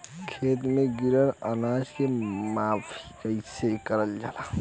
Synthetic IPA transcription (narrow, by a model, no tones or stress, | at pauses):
kʰet̪meɡiɾənənad͡ʒkemapʰiəɪsekəɾəld͡ʒa̰ːla